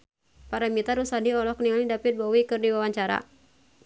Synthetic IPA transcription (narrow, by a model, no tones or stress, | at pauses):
paɾamit̪aɾusadiɔlɔhkniŋalidapit̪̚bɔwikɨrdiwawaɲt͡ʃaɾa̰